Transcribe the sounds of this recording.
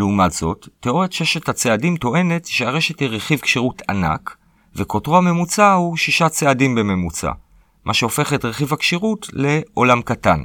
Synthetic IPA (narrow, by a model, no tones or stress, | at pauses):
leumatz̥o̞tːeʔo̞ʁjatʃeʃethat͡seadimto̞ʔe̞ne̞tʃeaʁe̞ʃethiʁeχivkʃiʁutʰana̰k | vekotʁohame̞mut͡sahuʃiʃat͡seadimbe̞me̞mut͡sa̰ | mʔaʃeo̞fe̞χetʁeχivhakʃiʁutle̞ʔo̞lamkatan